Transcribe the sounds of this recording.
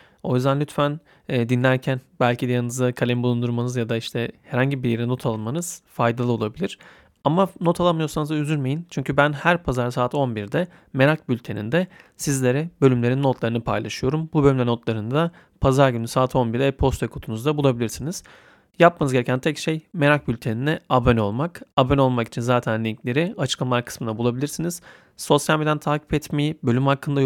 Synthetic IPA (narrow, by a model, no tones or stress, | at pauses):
o̞jyzd̪ænlʲyt̪fæn | ɛːd̪inlʲæɾcʰænbælʲcʰid̪ɛjanɯzd̪akʰalʲɛmbulˠund̪uɾmanɯzjad̪aiʃt̪ʰɛhɛɾhaɲɟibiɾjeɾɛno̞t̪ʰalˠɯnmanɯz̥fajd̪alˠɯo̞lˠabilʲiɾ̥ | amano̞t̪ʰalˠanmɯjo̞ɾsanɯzayzynme̞jint͡ʃʰyɲcʰybænhæɾpʰazaɾsaːt̪o̞nbiɾd̪ɛ | me̞ɾʲak̚bylʲt̪ʰe̞nḭnd̪ɛsizlʲe̞ɾɛbø̞lʲymle̞ɾinːot̪lˠaɾɯnɯpʰa̰jlˠa̰ʃɯjo̞ɾumbubø̞lʲymlʲɛno̞t̪lˠaɾɯnd̪a | pʰazaɾɟynysaːt̪ʰo̞nbiɾɛɛpʰo̞st̪vɛkʰut̪ʰunuzd̪abulˠabilʲiɾsiniz̥ | jap̚manɯzɡɟe̞ɾecʰænt̪ʰɛcʃejme̞ɾak̚bylʲt̪ʰeninɛabøno̞lˠmakabøno̞lˠmaki̥t͡ʃʰinzaːt̪ʰænlʲiɲclʲe̞ɾiat͡ʃʰɯ̥klˠamalˠakʰɯ̥smɯnabulˠabilʲiɾsiniz̥ | so̞sjalʲmed̪ænt̪ʰaːcʰi̥pɛt̪mejibø̞lʲymhakʰːɯnd̪a